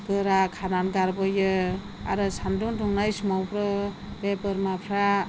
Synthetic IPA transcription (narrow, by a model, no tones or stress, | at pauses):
kɯɾakʰananɡaɾbɯjɯ | a̰ɾɯsʰandundʰuŋnajsmawpɾɯ | bepɯɾmapʰɾa